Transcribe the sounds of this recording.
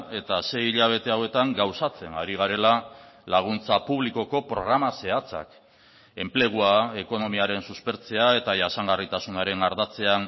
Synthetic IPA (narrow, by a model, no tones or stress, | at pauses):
e̞t̪ase̞jiʎaβ̞e̞t̪e̞awe̞t̪aŋɡawsat͡se̞naɾiɣ̞aɾe̞lalaɣ̞unt͡sapuβ̞liko̞ko̞pɾo̞̰ɣ̞ɾamase̞at͡sa̰k | e̞mple̞ɣ̞uae̞ko̞no̞miaɾe̞nsuspe̞ɾt͡se̞ae̞t̪aʝasaŋɡarit̪asunaɾe̞ŋaɾðat͡se̞an